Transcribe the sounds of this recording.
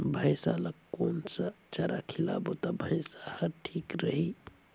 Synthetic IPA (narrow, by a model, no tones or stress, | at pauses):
bʱəɪsaləkkːonsət͡ʃəɾakʰila̰bot̪ɔbʱəjsahəɾʈʰikɾəɦi